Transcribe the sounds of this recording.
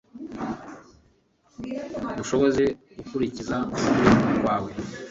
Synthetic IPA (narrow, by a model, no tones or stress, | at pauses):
duʃo̞βo̞ze̞ɡukuɾicizakuuɾiakwaːwe̞